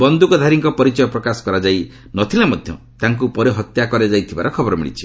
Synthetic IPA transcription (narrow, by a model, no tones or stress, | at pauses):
bɔnd̪ukɔd̪ʱaɾiŋkɔpɔɾit͡ʃɔjɔpɾɔkasɔ̥kɔɾad͡ʒaj | nɔt̪ʰilamɔd̪ʱjɔ | t̪aŋk̬upɔɾeɦɔt̪jakɔɾed͡ʒajt̪ʰibaɾɔkʰɔbɔɾɔmḭɽḭt͡ʃʰi̥